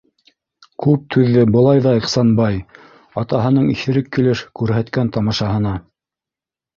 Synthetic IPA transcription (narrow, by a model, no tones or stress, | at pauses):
kʉp̚t̪ʰʉðːɘbɤ̆lˠɑjðɑiqsɑnbɑj | ɑt̪ɑɦɤ̆nɤɴiθɘ̆ɾɘkːĭlɘʃkʉɾɦæt̪kænt̪ɑmɑʃɑɦɤ̆nɑ